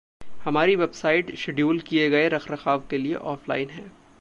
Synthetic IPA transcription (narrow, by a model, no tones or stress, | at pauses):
hɐmaːɾiʋɛbsaːɪʈʃɪɖjuːlkieɡɐeɾɐxɾɐxaːʋkeliḛʔɔːflaːɪnɦɛ̃ː